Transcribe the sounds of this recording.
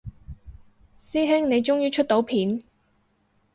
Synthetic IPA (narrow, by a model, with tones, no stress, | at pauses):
siː˥ɦɪ˥ŋne˨˧jt͡ʃʊ˥ŋjiː˥t͡ʃʰɵ˥t̚t̪o˨˥wpʰiː˨˥n